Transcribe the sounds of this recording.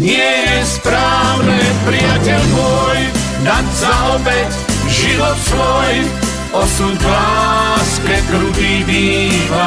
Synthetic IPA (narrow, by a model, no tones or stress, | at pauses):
ɲɪɛjɛspɾaːʊnɛpɾijacɛlmɔj | d̪acsaɔbɛt | ʒidɔt̪sʋɔj | ɔsumklaskɛkɾubibiːa